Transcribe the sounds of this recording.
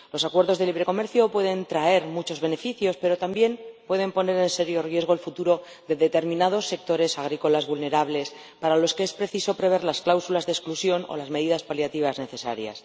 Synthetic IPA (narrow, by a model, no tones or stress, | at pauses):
lo̞sakwe̞ɾðo̞zðe̞liβɾe̞ko̞me̞ɾθjo̞pwe̞ðe̞nt̪ɾae̞ɾmut͡ʃo̞zβe̞ne̞fiθjo̞spe̞ɾo̞t̪ambje̞mpweð̞e̞mpo̞ne̞ɾe̞nse̞ɾjo̞rje̞zɣo̞elfut̪uɾo̞ | ðe̞ðe̞t̪e̞ɾmĩnað̞o̞sːe̞k̚t̪o̞ɾe̞saɣ̞ɾiko̞lazβulne̞ɾaβle̞s | paɾalo̞skeespɾe̞θiso̞pɾe̞β̞e̞ɾlasklawsulazðesklusjo̞no̞̰lazme̞ðiðaspaljat̪iβ̞azne̞θe̞sa̰ɾja̰s